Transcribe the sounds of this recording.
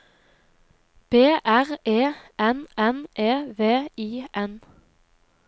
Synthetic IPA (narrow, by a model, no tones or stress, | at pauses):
b̥eːʔæʁeːʔɛnɛnʔeːʋeːiːʔɛn